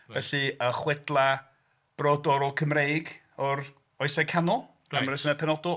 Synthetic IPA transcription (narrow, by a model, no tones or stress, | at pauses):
ɛɬɨəχwɛdlˠa | b̥rɔdɔɾɔkʰəmrejɡ | ɔɾ | ɔjsɛkʰanɔl̥ˠ | amrɛsənəpʰɛnɔdʊ